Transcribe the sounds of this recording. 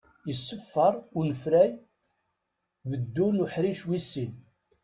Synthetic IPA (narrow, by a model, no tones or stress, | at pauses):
jəsːəfːəɾˤʊɾnəfɾæj | bəd̪ːulʊħɾiʃwisːin